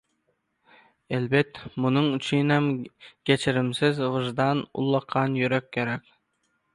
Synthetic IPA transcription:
elbɛt̪ːmunɨŋyt͡ʃʰynɛmɡʲet͡ʃʰɪɾɪmsɪzvɨʒd̪ɑnṵlˠːɑqʰːɑnjyɾɛkʲʰːeɾɛkʲ

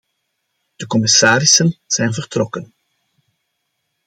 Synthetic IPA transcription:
d̥əkɔmɪsaːɾɪsənz̥ɛjnvərtrɔkən

